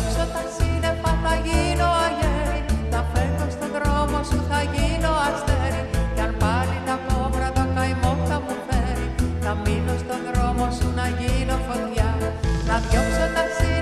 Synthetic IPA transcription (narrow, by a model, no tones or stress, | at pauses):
sot̪ɐsinefɐθɐʝino̞ɐʝeɾinɐfeko̞st̪o̞ðɾo̞mo̞suθɐʝino̞ɐst̪eɾicɐɾpɐɾit̪ɐko̞vɾɐt̪okɐjmo̞ɾt̪ɐmufeɾinɐmino̞st̪o̞ðɾo̞mo̞sunɐʝino̞fo̞ndʝɐnɐðʝopsot̪ɐsi